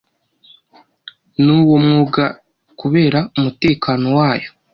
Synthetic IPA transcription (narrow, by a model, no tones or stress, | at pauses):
nuːwomŋuɡa | kuβe̞ːɾaumute̞ːkaːno̞waːjo